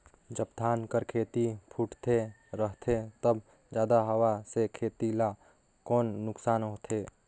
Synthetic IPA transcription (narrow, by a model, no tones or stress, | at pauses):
d͡ʒəbd̪ʱaːnkəɾkʰeːt̪ipʰuʈt̪ʰe | ɾəɦt̪ʰet̪əb | d͡ʒjaːd̪aɦəwasekʰeːt̪ila | kɔːnːʊksaːnɦoːt̪ʰeː